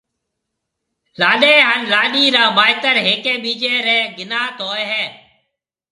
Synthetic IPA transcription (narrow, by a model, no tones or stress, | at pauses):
laːɗeːɦanlaːɗiːɾaːmaːɦɪt̪əɾɦeːkeːɓiːd͡ʒeːɾeːɡɪnaːt̪ɦoːeɦeː